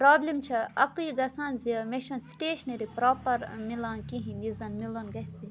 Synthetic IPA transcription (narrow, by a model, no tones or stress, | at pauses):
pɾaːblimt͡ʃʰɐɐkuiɡɐsãːnziɐmeʃɐnsʈeːʃɐneɾipɾaːpɐɾmilãːnkĩɦĩnd̪izɐnmilonɡɐhsi